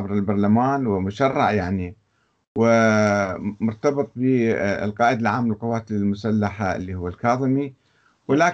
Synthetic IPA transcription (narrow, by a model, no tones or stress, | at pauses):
abɾˤɪlbɑɾˤlamaːnwɪmʊʃɑrˤːɑʕjaʕni | wɪ | mʊɾt̪ɑbɨt̪ˤbɪ̰lqɑːʔɪd̪alʕaːmːɪlqɑwaːt̪ɪlɪlmʊsalːaħaɪ̰lːiːhʊwːalkɑːðˤɨmi | wɪlaːk